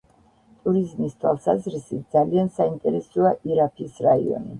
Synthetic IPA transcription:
t̪ʼuɾizmist̪ʰwalˠsazɾisit̪̚ʰd̪zaliansaint̪ʼɛɾɛsɔaʔiɾapʰisɾaḭɔ̰ni

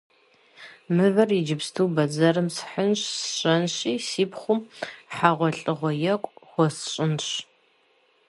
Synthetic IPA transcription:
mɨvɐrid͡ʒɪpstʰuwbɐd͡zɐrɨmsħənɕsɕʼɐnɕiːsiːpχʷʊmħaʁʷɔɬʼɨʁʷɔjɛkʷʼχʷɔsɕʼɪnɕ

